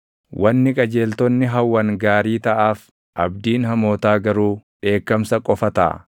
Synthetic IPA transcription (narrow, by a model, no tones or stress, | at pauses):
wʔɐnːɪkʼɐd͡ʒe̞ːlt̪ɔnːɪɦɐwːɐŋɡaːɾiːt̪ɐʔaːf | ʔɐbd̪iːnhɐmoːt̪aːɡɐɾuːᶑe̞ːkːɐmsɐkʼɔfɐt̪a̰